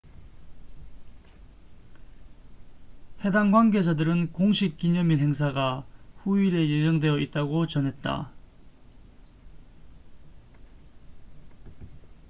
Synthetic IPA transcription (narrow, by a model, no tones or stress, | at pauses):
he̞daŋɡwanɡe̞d͡ʑadɯɾɯnkoŋɕʰik̚k͈iɲʌminɦe̞ŋs̬ʰaɡaɸuiɾe̞je̞d͡ʑʌŋdwe̞jʌʔit̚t͈aɡot͡ɕʌnɦe̞t̚t͈a̰